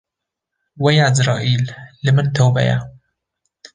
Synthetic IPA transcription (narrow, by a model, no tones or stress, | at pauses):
wajaʔɪzɾˤɑːʔiːlːɪmɪnt̪awba̰ja̰